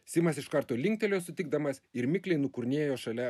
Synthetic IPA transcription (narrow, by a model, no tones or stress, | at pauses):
sʲɪmɐsɪʃkɐɾt̪oːlʲɪŋʲkt̪ʲɛlʲoːsʊt̪ʲɪɡd̪ɐmɐsɪɾmʲɪklʲɛɪnʊkʊɾʲnʲiɛjoːʃɐlʲɛ